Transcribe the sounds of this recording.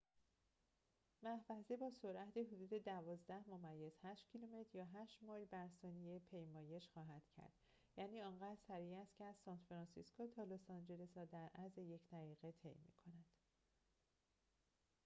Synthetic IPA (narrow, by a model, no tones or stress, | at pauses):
mæhvæzebɒːsoɾʔæd̪eɦod̪uːd̪e̞d̪ævɒːzd̪æhmomæjːez̥hæʃt̪cʰilume̞t̪ʰɾjɒːɦæːʃt̪mɒːjbæɾsɒːnijepʰe̞jmɒːje̞ʃxɒːɦæd̪̥cʰæ̰ɾd̪̥ | jæːniːɒːŋɢæːd̪sæɾiːæst̪cʰeæz̥sɒːnt̪fɾɑːnsiskot̪ʰɒːlosɒnd͡ʒe̞lesɒːd̪æɾʔæzejecʰd̪̥æɣiːɣet̪ʰe̞̰jmḭːkʰo̞nænd̪̥